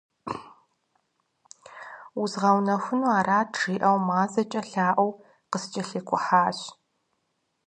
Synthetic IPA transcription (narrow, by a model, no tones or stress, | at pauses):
ʊzʁɐwnɐxʷʊnuaːɾaːtʈ͡ʂiːʔɐwmaːzɐt͡ʃʼɐɬaːʔʷɐw | qəst͡ʃʼɐɬeːkʷʰʼʊħaːɕ